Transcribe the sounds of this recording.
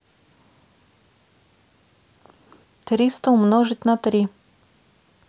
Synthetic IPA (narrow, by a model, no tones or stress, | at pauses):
t̪ɾist̪oʊmnɔʒit̪ʲnat̪ɾi